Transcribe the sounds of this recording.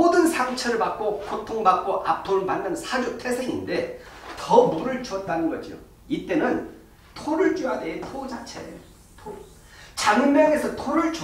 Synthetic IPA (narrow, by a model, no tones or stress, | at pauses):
odɯnsʰaŋt͡ɕʰʌɾɯɭpak̚k͈okotʰoŋbak̚k͈oʔap̚pʰoɾɯɭmanːɯnnsʰad͡ʑutʰe̞sʰeŋinde̞tʌmoɾɯɭt͡ɕʰʌt̚t͈anɯnɡʌd͡ʑijo̰ | it͈e̞nɯn | tʰoɾɯɭt͡ɕ͈ujadetʰod͡ʑat͡ɕʰe | tʰo | t͡ɕaŋmeɡe̞sʰʌtʰoɾɯɭt͡ɕo